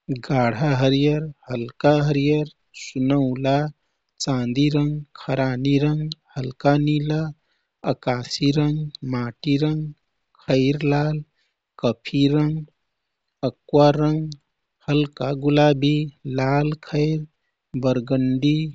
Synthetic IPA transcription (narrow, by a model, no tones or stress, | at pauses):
ɡaːɽ̤aɦəɾijəɾhəlkaɦəɾijəɾ | sunəʊla | t͡ʃãːnd̪iɾəŋɡkʰəɾaːniɾəŋɡhəlkanila | əkaːsiɾəŋɡmaːʈiɾəŋɡ | kʰəɪɾlaːl | kəpʰiɾəŋɡ | əkwaɾəŋɡ | həlkaɡulaːbʱilaːlkʰəɪɾ | bəɾɡəɳɖi